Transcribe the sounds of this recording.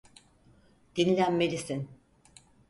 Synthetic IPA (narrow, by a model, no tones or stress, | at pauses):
d̪̥inilʲænmelʲisin